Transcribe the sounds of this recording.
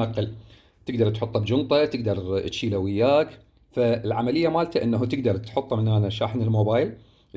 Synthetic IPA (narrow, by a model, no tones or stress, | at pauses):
ɑqːɪl | t̪ɪɡd̪ɑɾˤt̪ħʊt̪ˤːɑbd͡ʒʊnt̪ˤɑt̪ɪɡd̪ɑɾˤt̪ʃiːlawɪjːaːk | faɪlʕamalɪjːamaːlt̪aʔɪnːaɦt̪ɪɡd̪ɑɾˤt̪ħʊt̪ˤːɑmɪnaːnaʃaːħnɪlmoːbaːjl